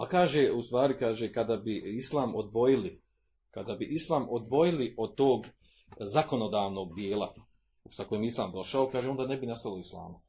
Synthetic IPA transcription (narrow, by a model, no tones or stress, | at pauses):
akaːʒeust̪ʋaːɾikaːʒekad̪abiislˠaːmod̪ʋo̞jili | kad̪abiʔislˠaːmod̪ʋo̞jiliʔo̞d̪̚t̪oːɡ | zako̞no̞d̪aːʋno̞ɡ̚bjeːlˠa̰ | sako̞jemjislˠaːmd̪o̞ʃaokaːʒeo̞nd̪aːnebinast̪alˠoislˠa̰ːma